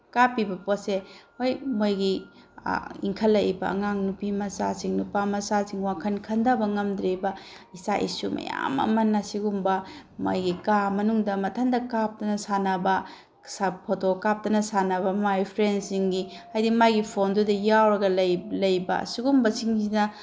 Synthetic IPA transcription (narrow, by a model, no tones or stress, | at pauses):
kapːibɐposehojmojɡḭ | ḭŋkʰɐlːɐjbɐ̰ɐ̰ŋaŋnupimɐsa̰siŋnupamɐsasiŋwakʰɐnkʰɐndabɐŋɐmdɾebɐisa̰ʔḭsumɐ̰ja̰mɐ̰mɐnːɐsiɡumbɐma̰jɡikamɐnuŋdɐmɐtʰɐndɐkap̚tɐnɐsanɐbɐ | sapʰotokap̚tɐnɐsanɐbɐmajpʰɾensiŋɡihajdimajɡipʰondudɐjawɾɐɡɐlɐjlɐjbɐ̰siɡumbɐsiŋzinɐ